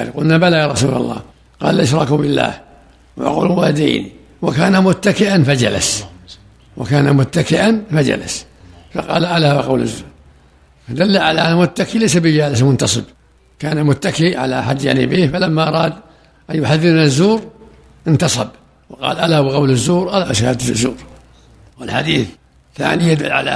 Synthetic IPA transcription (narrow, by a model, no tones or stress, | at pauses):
qʊlnabalajaːɾˤɑsṵːla̰lˤːɑ̰ː | qɑ̰ːllʔɪʃɾˤɑkʊbɪlːa̰ːh | wa̰qṵːlwaad̪ḭːnḭ | wakaːnamʊt̪ːakɪʔanfad͡ʒa̰la̰s | wa̰kaːnamʊt̪ːakɪʔanfad͡ʒa̰la̰s | fɑ̰qɑ̰ːlʔalawɪqɑ̰wla̰zːuːɾ | fad̪alːaʕalaʔnːmʊt̪ːakilajsabɪd͡ʒaːlɪsmʊnt̪ɑsˤɨb | kaːnamʊt̪ːakiʕa̰la̰ħad̪ːja̰ʕnḭbiːhfalamːaʔɑɾˤɑːd̪ | ʔanjʊħaðːɪɾnazːuːɾ | ʔɪnt̪ɑsˤɑb | wɪqɑ̰ːlʔalabɪɣɑwlɪzːuːɾʔalaʔaʃhad̪lɪ̰zːṵːɾ | wɪlħa̰d̪iːθ | θa̰ʕnijad̪ʊlːʕa̰la̰